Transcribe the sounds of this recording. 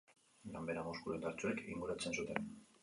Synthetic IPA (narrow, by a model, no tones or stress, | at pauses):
lambe̞ɾamoskuɾend̪aɾt͡suekiŋɡuɾat͡se̞nsut̪e̞n